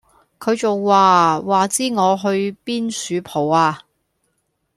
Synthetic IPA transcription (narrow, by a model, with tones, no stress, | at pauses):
kʰɵ˨˧ɥt͡so˨wːaː˨waː˨t͡siː˥ŋɔː˨˧ɦɵ˧ɥpiː˥nsyː˨˧pʰo˨˩waː˧